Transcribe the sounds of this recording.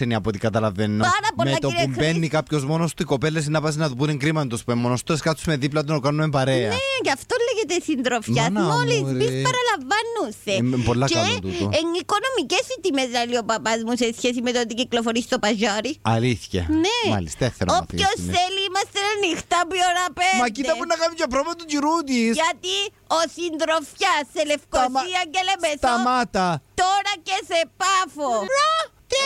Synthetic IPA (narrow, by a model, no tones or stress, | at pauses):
eniɐpot̪ikɐt̪ɐlɐvenːoaɾɐpomleɐkt̪oɾimbenːikapçozmonost̪uikopelːes̬inɐpɐs̬enɐðupuneŋɡɾimɐnd̪ospuemːonost̪oskɐt̪ssmeðiplɐt̪onokanumempɐɾeɐnecɐft̪olːeʝet̪esind̪ɾofɐsmolizmisɐɾɐlɐɱvɐnːusepolːɐkɐt̪ueniko̞nomicesit̪imeznɐliopɐpɐzmusesçesimet̪ot̪̬iciklofoɾisi̥st̪opɐʒɐɾiɐliθçɐ̰nema̰lḭst̪eθeɾoposeliimɐst̪enenixt̪ɐpioɾɐpemɐkit̪ɐunːɐkɐvud͡ʒɐpɾovɐt̪ud͡ʒiɾut̪̬isʝɐt̪i | osind̪ɾofçɐsːelefkosiɐɲɟelemesoɐmat̪ɐt̪oɾɐcesepafo